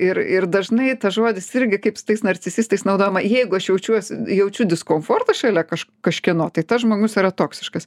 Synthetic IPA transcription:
ɪrɪrd̪ɐʒnɐɪt̪ɐʒuɔd̪ʲɪsɪɾʲɡʲɪkɐɪpsʊ̥t̪ɐɪsnɐrʲt͡sʲɪzʲiːst̪ɐɪsnɐʊd̪oːjomɐjɛɪɡʊɐʃjɛʊt͡ʃʲuɔsʲɪjɛʊt͡ʃʲʊd̪ʲɪskoːmfoːrt̪ɐʃʲɛlʲɛkɐʃkkɐʃʲkʲɪnoːt̪ɐɪt̪ɐsʒmoːɡʊsiːɾɐt̪oːksʲɪʃkɐs

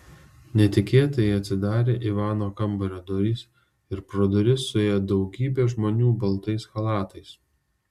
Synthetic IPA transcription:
nʲɛt̪ʲɪkʲeːt̪ɐjɛɐt̪ʲsʲɪd̪ɑːɾʲeːʔiʋɑːnoːkɐmbɐɾʲɐd̪ɔɾʲiːs | ɪɾpɾoːd̪ɔɾʲɪsːʊeːjɛd̪ɒʊɡʲiːbʲeːʒmoːnʲuːbɐlˠt̪ɐɪsxɐlˠɑːt̪ɐɪs

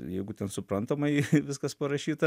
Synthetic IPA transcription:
jɛɪɡʊt̪ʲɛnsʊpɾɐnt̪ɐmɐɪʋʲɪskɐspɐɾɐʃʲiːt̪ɐ

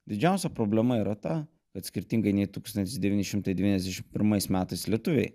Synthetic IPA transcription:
d̪ʲɪd͡ʒʲɛˑʊsʲɛpɾoːbʲlʲɛmɐiːɾɐt̪ɐ | kɐt̪sʲkʲɪɾʲt̪ʲiŋɡɐɪnʲɛɪt̪uːkst̪ɐnt̪ʲɪsd̪ʲɛʋʲiːnʲɪʃʲɪmt̪ɐɪd̪ʲɛʋʲinɛzd̪ʲæʃʲɪmpʲɪɾmɐɪsmʲæːt̪ɐɪslʲiɛt̪ʊʋʲḛɪ

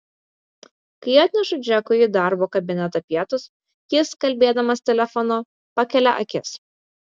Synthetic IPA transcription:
kɐɪɑːt̪ʲnʲɛʃʊd͡ʒʲɛkʊjid̪ɑˑɾboːkɐbʲɪnʲɛt̪ɐːpʲiɛt̪ʊs | jɪskɐlʲbʲeːd̪ɐmɐst̪ʲɛlʲɛfɔnoː | pɐkʲɛlʲɛʔɐ̰kʲɪs

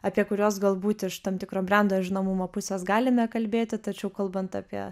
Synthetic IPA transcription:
ɑpʲiɛkʊɾʲoːsɡɐlˠbuːt̪ɪʃt̪ɐmt̪ʲɪkɾoːbʲrʲɛnd̪oːʒʲɪnomʊmoːpʊsʲeːsɡɑːlʲɪmʲɛkɐlʲbʲeːt̪ʲɪt̪ɐt͡ʃʲɛʊkɐlˠbɐnt̪ɑ̰ːpʲiɛ

